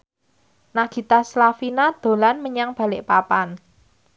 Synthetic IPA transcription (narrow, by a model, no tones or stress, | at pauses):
naɡ̥i̤t̪aslafinad̪̥o̤lanməɲaŋb̥a̤lɪʔpapan